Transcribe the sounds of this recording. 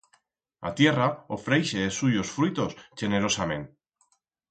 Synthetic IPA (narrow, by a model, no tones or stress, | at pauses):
a̰t̪je̞raofɾejʃeesuʝo̞sfɾit̪o̞sʝeneɾo̞samẽ̞̰n